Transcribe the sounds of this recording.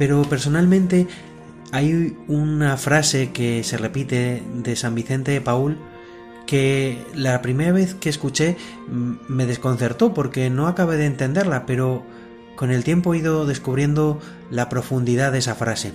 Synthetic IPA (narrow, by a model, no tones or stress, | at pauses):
pe̞ɾo̞pe̞ɾso̞nalmẽnt̪e̞ | ajunafɾase̞ke̞se̞re̞pit̪e̞ðe̞sambiθe̞nt̪e̞paul | ke̞lapɾime̞ɾaβ̞e̞θke̞ːskut͡ʃe̞ | me̞ð̞e̞sko̞n̟θe̞ɾt̪o̞po̞ɾke̞no̞akaβe̞ð̞eːnt̪e̞nd̪e̞ɾlape̞ɾo̞ | ko̞ne̞lt̪je̞mpo̞iðo̞ðe̞skuβ̞ɾje̞nd̪o̞ | lapɾo̞fund̪iðaðesafɾase̞